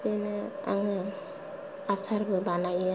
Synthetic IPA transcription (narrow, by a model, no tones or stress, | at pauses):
ɯnɯa̰ŋɯ | asaɾbɯbanaja